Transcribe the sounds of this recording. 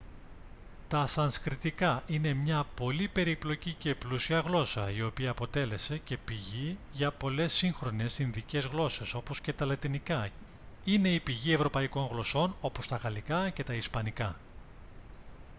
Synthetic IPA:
t̪ɐsɐnskɾit̪ikɐʔine̞mɲɐpo̞lipe̞ɾiplo̞cice̞plusiɐɣlo̞sɐ̰io̞piɐːpo̞t̪e̞le̞se̞ce̞piʝiʝɐpo̞le̞siŋxɾo̞ne̞sinðice̞zɣlo̞se̞so̞po̞sce̞t̪ɐlɐt̪inikɐ | ine̞ipiʝie̞vɾo̞pɐiko̞ŋɣlo̞so̞no̞po̞st̪ɐɣɐlikɐce̞t̪ɐispɐnikɐ

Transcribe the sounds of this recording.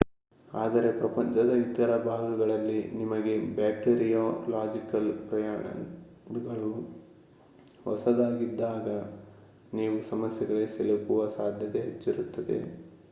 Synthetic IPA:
aːd̪ɐɾe̞pɾɐpɐɲt͡ʃɐd̪ɐit̪ɐɾɐbʱaːɡɐɡɐɭɐlːinimɐɡe̞baːkʈeɾijoːlaːd͡ʒikɐlpɾɐja̰ː | ɡɐɭu | hɔ̰sɐd̪aːɡid̪ːaːɡɐ | niːʋusɐmɐsjɐɡɐɾeselɐkuʋɐsaːd̪ʱjɐt̪eɦet͡ʃːiɾut̪ːɐd̪e̞̰

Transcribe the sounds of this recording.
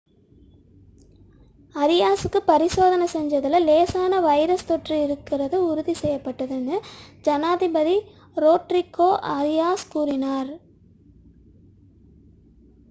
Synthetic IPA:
ɐɾɪjaːsɯkːɯpɐɾɪsoːðɐnɐsɛɲd͡ʒɐðɪlɐleːsaːnɐʋɐɪɾɐst̪ɔʈrɯɪɾɯkːɪrɐðɯʊɾʊðisɛjːɐpːɐʈːɐðɯnːɯd͡ʒɐnaːðɪbɐði | ɾoːʈɾɪkːoːʔɐɾɪjaːskuːɾɪnaːɾ

